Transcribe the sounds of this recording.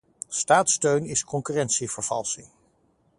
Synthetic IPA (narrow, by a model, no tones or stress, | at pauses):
staːtstøɥnɪskɔŋkyrɛntsivəɹv̥ɑ̰lˠsi